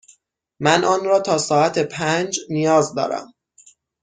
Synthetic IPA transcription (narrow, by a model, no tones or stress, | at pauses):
mænʔɒːnɾɒːt̪ʰɒːsɒːæt̪ʰepʰænd͡ʒnijɒːzd̪ɒ̰ːɾæ̰m